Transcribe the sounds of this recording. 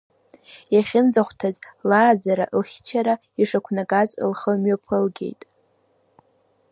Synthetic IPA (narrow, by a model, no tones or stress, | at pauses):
jaχʲɪnd͡zaχʷtʰazlaːzaɾa̰ʔlχʲt͡ʃʰaɾa | iʂakʷʰnakʼazɨ̰lχəmɥapʰɨlɡʲe̞̰jtʼ